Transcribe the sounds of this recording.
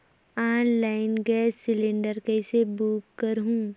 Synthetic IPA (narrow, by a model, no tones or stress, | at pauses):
aːnlaːɪnɡɛːsːɪlẽɳɖəɾkɛɪsebuːkːəɾɦũː